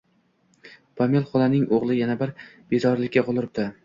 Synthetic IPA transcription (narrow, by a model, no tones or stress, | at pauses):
pʰamʲelˠχɒlanɪŋoʁlˠɪjanabɪɾb̥ezɒɾlɪkʲːaqʊlˠɪɾɪp̚d̪ɪ